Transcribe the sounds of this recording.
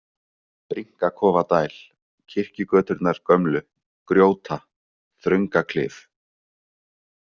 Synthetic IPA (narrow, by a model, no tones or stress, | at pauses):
pɾiŋ̥kakʰɔːvat̪aːjl̥ | cʰɪr̥cɪkœːt̪ʏɾt̪naɾ̥kœmlʏ | kɾjoːwt̪ʰa | θɾʏŋkakʰlɪ̰ːf